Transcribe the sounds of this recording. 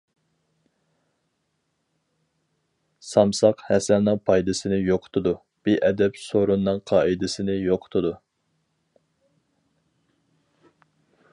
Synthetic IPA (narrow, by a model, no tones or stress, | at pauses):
sɑmsɑqhɛsɛnːɨŋpʰɑjd̪ɪsɪnɪjoqʰt̪ʰʊd̪u | b̥ɪʔɛd̪ɛpsoɾunːɨŋqʰɑːʔid̪ɪsɪnɪjoqʰt̪ʰʊd̪u